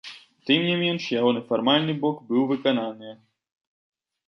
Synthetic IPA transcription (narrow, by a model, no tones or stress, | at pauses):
t̪ɨmnʲimʲɛnʂjaɣɔnɛfarmalʲnɨbɔkbɨwvɨkananɨjɛ